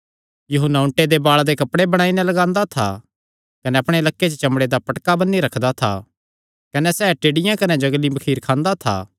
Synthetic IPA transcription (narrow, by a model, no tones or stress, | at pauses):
jʊɦʊnːaʊ̃ɳʈed̪ebaːɭad̪ekɐpɽebɐɽ̃aːinɛ̃lɐɡãːnd̪at̪ʰa̰ | kɐnɛɐpɽ̃elɐkːet͡ʃət͡ʃɐmɽed̪apɐʈkabɐnːiɾɐkʰd̪at̪ʰa̰ | kɐnɛsɛːʈeːɽɪjãkɐnɛd͡ʒɐɡlibɐkʰiːɾkʰãːnd̪at̪ʰa̰ː